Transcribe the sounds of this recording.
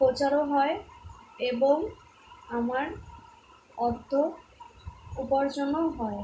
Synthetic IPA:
pot͡ɕaɾoɦɔeeboŋ | amaɾ | ɔd̪ʱo | upoɾd͡ʑɔnoɦɔe

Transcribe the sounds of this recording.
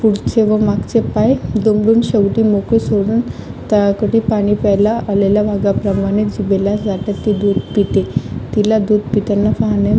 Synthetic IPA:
puɽt͡seʋəmaɡt͡sepajd̪omɽuːnɕəʋʈiːmokisoɽuːnt̪aakəʈiːpaɽ̃iːpɛjlaʔalelaʋaɡapɾəmaɽ̃ed͡ʑibelad͡zat̪at̪ːid̪od̪pit̪et̪ilad̪od̪̚pit̪anːafaɦne

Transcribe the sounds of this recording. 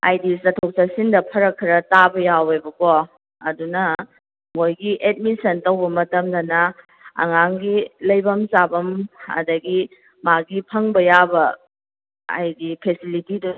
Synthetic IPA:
a̰jdisɐtʰok̚sasindɐpʰɐɾɐkʰːiɾɐtabɐjawebɐko | ɐdunɐ | ŋojɡiʔet̚misɐntɐwbɐmɐtɐmdɐnɐ | ɐ̰ŋaŋɡilɐjbɐmsabɐmɐ̰dɐɡi | maɡipʰɐŋbɐjabɐ | a̰jdipʰesilitidu

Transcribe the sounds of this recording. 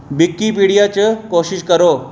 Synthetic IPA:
bikːipiɽijat͡ɕekoɕiɕkəɾo

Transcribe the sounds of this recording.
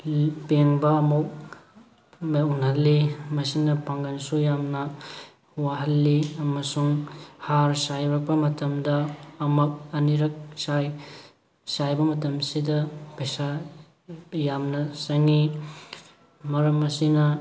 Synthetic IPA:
peŋbɐːmuk̚ | meunhɐlːimɐsinɐpaŋɡansujamnɐ | waɦɐlːiɐmɐsuŋhaɾsajɾak̚pɐmɐtɐmdɐːmɐk̚ɐniɾɐk̚saj | sajbɐmɐtɐmsidɐpejsa | jamnɐsɐŋi | mɐɾɐmːɐsinɐ

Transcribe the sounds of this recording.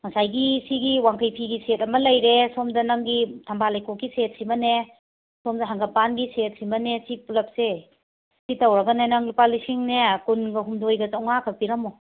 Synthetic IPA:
ŋɐsajɡisiɡiwaŋkɐjpʰiɡisetɐmɐlɐjɾesɔmdɐnaŋɡitʰambalajkokːiset̚simɐne | sɔmdɐɦaŋɡapanɡiset̚simɐnesipulɐp̚se | sitawɾɐɡɐnenaŋɡipalisiŋnekunɡɐɦumdojɡɐtawŋakʰapiɾɐmɔ

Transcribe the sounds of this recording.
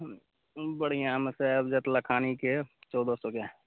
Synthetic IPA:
bəɽijãməsebd͡ʒət̪lakʰaːniket͡ʃɔːd̪osõke

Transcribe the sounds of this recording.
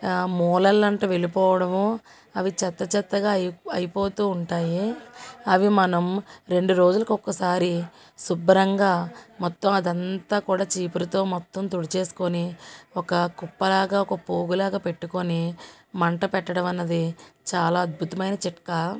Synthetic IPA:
mɔːlɐlːɐɳʈɐːʋe̞lipɔːʋɐɽɐmu | ɐʋit͡ʃɛt̪ːɐt͡ʃɛt̪ːɐɡaːɐjipo̞ːt̪uːuɳʈaːjiɐʋimɐnɐmɾe̞ɳɖuɾo̞ːd͡ʒulɐkuɔkːɐsaːɾi | subɐɾɐŋɡaːmɔt̪ːɐmɐd̪ɐnt̪aːkuːɽaːt͡ʃiːpuɾɐt̪o̞ːmɔt̪ːɐmt̪uɽit͡ʃe̞ːsu̥koniɔkɐkupːɐlaːɡaːɔkɐpoːɡulaːɡaːpe̞ʈːukoni | mɐɳʈɐpɛʈːɐɽɐmɐnːɐd̪it͡ʃaːlaːɐd̪̚bʱut̪ɐmɐjnɐt͡ʃiʈkɐ

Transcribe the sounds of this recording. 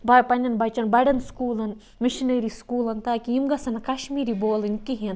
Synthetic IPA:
bɐjpɐnʲɐnbɐt͡ʃɐnbɐjɖɐnskuːlɐn | miʃinɐɾiskuːlɐnt̪aːkijimɡɐsɐnɐkɐʃmiːɾiboːlɨnkiɦin

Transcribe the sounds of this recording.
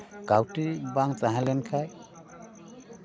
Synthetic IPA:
kawʈibaŋt͡ʃaɦalɛnkʰaj

